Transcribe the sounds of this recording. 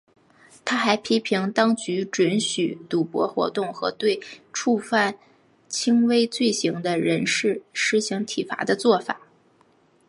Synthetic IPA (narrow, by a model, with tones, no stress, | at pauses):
t̪ʰa˥xa˧˥ɪpʰi˥pʰi˧˥ŋt̪ɑ˥ŋt͡ɕy˧˥ʈ͡ʂwə˧˥nɕy˨˩t̪u˨˩pwɔ̰˧˥xwɔ̰˧˥t̪ʊ˥˩ŋxɤ̰˧˥t̪we˥˧ɪʈ͡ʂʰu˥˧fa˥˩n | t͡ɕʰi˥ŋwe˥ɪt͡swe˥˩ɕi˧˥ŋd̪ə˧ɻə˧˥nʂɻ̩˥˩ʂɻ̩˥ɕi˧˥ŋt̪ʰi˨˩fa̰˧˥d̪ə˧t͡swɔ˥˩fa̰˨˩˦